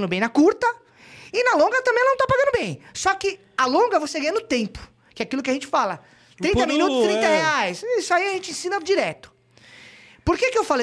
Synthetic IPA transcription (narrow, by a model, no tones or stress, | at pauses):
nd̪ʊbẽj̃nɐkuɾt̪ɐ | ɪnɐlõŋɡɐt̪ɐ̃mbẽɛlɐnɐ̃t̪apaɡɐ̃nʊbẽj̃sɔkɪ | alõɡɐvoseɡɐ̃j̃ɲɐnʊt̪ẽmpʊ̥ | kɪɛakilʊk̬ɪɐʒẽnt͡ʃɪ̥falɐ | t̪ɾĩt̪ɐmĩnut̪ʊst̪ɾĩnt̪ɐheajsisʊaiɐʒẽnt͡ʃɪẽsĩnɐd͡ʒiɾɛt̪ʊ̥ | poɾkekɪewfale